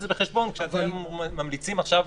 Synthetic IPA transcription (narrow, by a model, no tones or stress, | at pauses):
zebeχeʃbo̞nkʃeat̪emːamlit͡simaχʃav